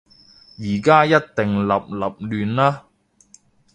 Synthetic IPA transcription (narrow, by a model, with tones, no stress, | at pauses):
jiː˨˩kaː˥jɐ˥t̚t̪e˨˩ŋlɐ˨p̚lɐ˨p̚lyː˨nlaː˥